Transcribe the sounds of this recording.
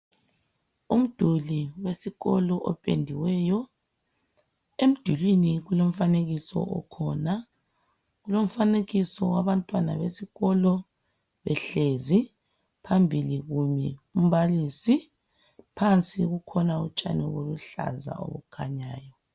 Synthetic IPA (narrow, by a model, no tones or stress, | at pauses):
um̩d̥ʱuliwesiɣɔlɔʔɔpʼḛndʱiwɛjɔ | em̩d̥ʱulwiniɣulom̩faneɣisɔ̰ʔɔ̰kʰɔna | ɣulom̩faneɣisɔwaβantʼwana̰βesiɣɔlɔ | βɛɬezi | pʰambʱiliɣumɛum̩βalisi | pʰant͡sʼiɣukʰɔnaut͡ʃʼa̰nɔɣoluɬa̰za̰ʔo̰βṵkʰa̰ɲaːjɔ